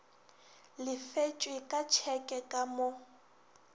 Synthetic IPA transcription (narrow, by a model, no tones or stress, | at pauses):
lɪfet͡ʃʼwɪkʼat͡ʃʰɛkʼɛkʼamo